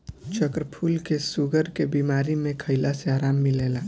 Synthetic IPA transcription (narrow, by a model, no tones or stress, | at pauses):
t͡ʃəkɾəpʰuːlkesuɡəɾkebiːmaːɾimẽkʰəɪlaseaːɾaːmːɪleːlaː